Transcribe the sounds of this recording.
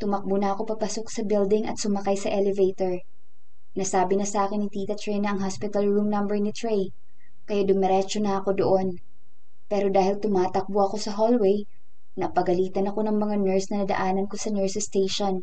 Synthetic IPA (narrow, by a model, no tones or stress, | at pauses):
t̪ʊmɐk̚bonɐɐko̞pɐpɐsok̚sɐbɪld̪ɪŋʔɐ̰t̪̚sʊmɐkajsɐʔɛlɛvejt̪oɹ | nɐsaːbɪnɐsɐʔaːkɪnːɪt̪iːt̪ɐt̪ɹɛjnɐʔɐŋɦaspɪt̪ɐlɹumnɐmbɛɹnɪt̪ɹɛj | kɐjad̪ʊmɐɾɛt͡ʃonɐɐko̞d̪oʔo̞n | pɛːɾo̞d̪aːhɪlt̪ʊmaːt̪ɐk̚boʔɐko̞sɐɦolwɛj | nɐpɐɡɐliːt̪ɐnɐko̞nɐŋmɐŋanɛɹsnɐnɐd̪ɐ̰ʔaːnɐnko̞sɐnɛɹsɛst̪ejʃon